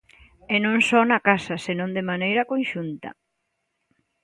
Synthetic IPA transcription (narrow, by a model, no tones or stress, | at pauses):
ɛnõŋsɔnɐkasɐsenõnd̪emanejɾɐkõnʃunt̪ɐ̰